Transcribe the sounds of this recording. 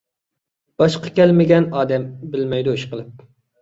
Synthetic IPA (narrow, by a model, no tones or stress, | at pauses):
b̥ɑʃqʰɑ̥kʲɛlmɪɡʲɛnɑːd̪ɛmbɪlmɛjd̪uiʃqəlˠɨp̚